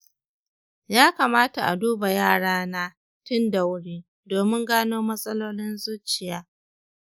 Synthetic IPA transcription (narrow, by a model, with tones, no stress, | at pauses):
jaː˦kaː˨maː˦ta˨ʔa̰˨duː˦ba˨jaː˦˨ɽaː˦naː˦ | tʊ˦nda˨wʊ˦ɽiː˦ | doː˨mɪ˦ŋɡaː˦noː˦mɐ˦sʼɐ˦loː˦lɪ˦nzuː˦t͡ʃɪ˨jaː˦